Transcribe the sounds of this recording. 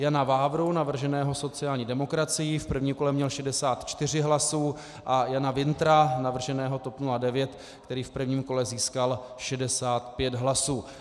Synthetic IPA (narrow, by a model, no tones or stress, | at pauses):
janavaːvɾunavr̩ʒɛnɛːɦo̞so̞t͡sɪjaːlɲiːdɛmo̞kɾat͡sɪjɪfpr̩vɲiːmko̞lɛmɲɛlʃɛdɛsaːt̪t͡ʃt̪ɪr̝ɪɦlasuː | ʔajanavɪnt̪ɾanavr̩ʒɛnɛːɦo̞t̪o̞pnuladɛvjɛt̪ | kt̪ɛɾiːfpr̩vɲiːmko̞lɛziːskal | ʃɛdɛsaːt̪pjɛd̪ɦlasuː